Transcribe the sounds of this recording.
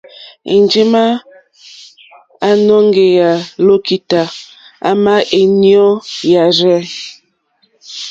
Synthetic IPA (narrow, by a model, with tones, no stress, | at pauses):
ḛ˨nd͡ʒi˦ma˦ | a˨nɔ˦ŋ˦ɡe˨ja˨lo˦ki˨ta˨ | a̰˦ma˦e˨njɔ˦ja˨ɾɛ˦